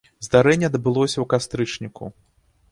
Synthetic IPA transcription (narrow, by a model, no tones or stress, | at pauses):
zd̪aɾɛnʲːɛd̪bɨlˠɔsʲɐwkast̪ɾɨt͡ʂnʲikʰṵ